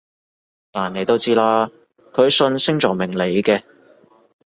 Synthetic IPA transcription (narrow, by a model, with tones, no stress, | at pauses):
t̪aː˨˩ne˨˧jt̪o˥wt͡siː˥laː˥ | kʰɵ˨˧ɥsɵ˧nsɪ˥ŋt͡sɔː˨˩ŋmɪ˨˩ŋle˨˧jkɛː˧